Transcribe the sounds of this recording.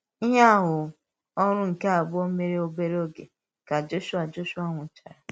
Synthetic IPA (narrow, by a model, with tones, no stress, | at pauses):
i˦ɦa˦a˦˨ɦʊ˨ | ɔ˦ɾ̃ʊ̃˦ŋ̩˨ke˦a˨bʊ˦o˦me˦ɾe˦o˦be˦ɾe˦o˦ɡe˨ | ka˨d͡ʒo˦ʃu˦a˨d͡ʒo˦ʃu˦a˦ŋʷʊ˨t͡ʃa̰˨ɾa˨